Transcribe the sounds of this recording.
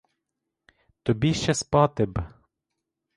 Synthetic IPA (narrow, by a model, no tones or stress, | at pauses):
t̪ɔbʲiʃt͡ʃɛspɑt̪ɪb